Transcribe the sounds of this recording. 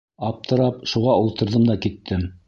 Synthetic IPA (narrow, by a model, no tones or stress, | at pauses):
ɑp̚t̪ɤ̆ɾɑpʃuʁɑulˠt̪ɤ̆ɾðɤmd̪ɑkit̪ʰːɘm